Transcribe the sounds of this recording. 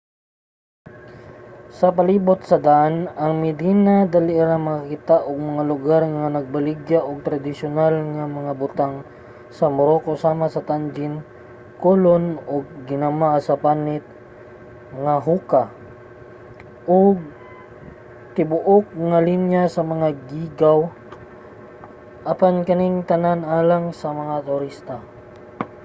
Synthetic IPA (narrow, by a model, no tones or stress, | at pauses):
sɐpɐliːbʊt̪̚sɐd̪aʔanɐŋmɪd̪iːnad̪ɐlɪʔɾaŋmɐŋkɪt̪aʔoɡ̚mɐŋalʊɡaɾŋanɐɡ̚bɐlɪɡjaʔoɡ̚t̪ɾɐd̪ɪsʊnalŋɐmɐŋabʊt̪aŋ | sɐmʊɾokosaːmasɐt̪and͡ʒɪn | kolonoɡ̚ːɪnamasɐpanɪt̪̚ | ŋaɦuːka | ʔoɡ̚ | t̪ɪbʊʔok̚ŋɐlinjasɐmɐŋaɡiːɡaw | ʔɐpankɐniŋt̪ɐnanʔaːlaŋsɐmɐŋat̪ʊɾist̪a